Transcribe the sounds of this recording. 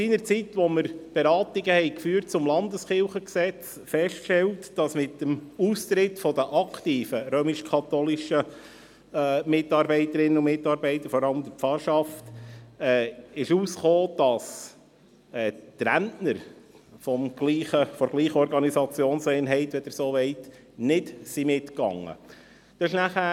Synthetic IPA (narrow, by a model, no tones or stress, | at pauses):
siːnəɾt͡sitʋɔməɾb̥eɾɑːtiɡəhɛɪkfyːrt̚t͡sʊmlɑnd̪əsχɪlχəksɛt͡s | fɛʃtʃtɛltd̥ɑsmɪtəmuːst̪ɾɪtfɔdəʔɑkʰtiːfəɾøːmiʃkʰɑt̪ɔlɪʃəː | mɪtɑɾbɛɪt̪əɾɪnːəʊmɪtɑːɾbɛɪt̪əɾfɔɾɑləmd̪əɾpfɑɾʃɑftɛːɪʃuːsχoːd̥ɑs | ɛːtɾæntnəɾ | fɔmɡ̥liːχəfɔɾɡ̥liːχəɔɾɡɑnisɑt͡sjoːnsɛɪnɦɛɪtʋɛd̥əɾsoːʋɛɪt | nɪdsimɪtkɑ̰ŋːə̰ | d̪̥ɑɪʃnæχæ